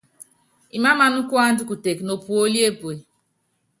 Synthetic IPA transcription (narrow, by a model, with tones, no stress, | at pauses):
i˨ma˦ma˨nʊ˦ku˦a˦n̩˦dʊ˦ku˨te˨kno˨pu˨o˦li˦e˦pu˨e˨